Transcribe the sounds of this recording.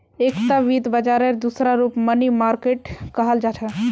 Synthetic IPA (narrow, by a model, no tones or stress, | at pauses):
ekt̪aʋid̪bəd͡ʒaɾəɾd̪usɾaɾupmənimaɾkeʈkəɦəld͡ʒat͡ʃʰə